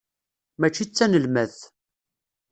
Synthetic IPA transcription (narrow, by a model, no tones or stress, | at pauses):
mæt͡ʃːit͡sːænəlmæð